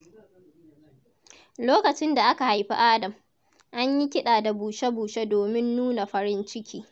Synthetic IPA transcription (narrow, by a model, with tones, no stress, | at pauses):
loː˦kɐ˨t͡ʃɪ˦nda˨ʔa˦ka˨ha˨jɸḭ˦ʔaː˦dɐ˨m | ʔa˦ɲji˦kʲɪ˦ɗaː˨da˨buː˨ʃe˦buː˨ʃe˦doː˨mɪ˦nːuː˦na˨ɸɐ˨ɾɪ˦nt͡ʃɪ˦kʲʰiː˦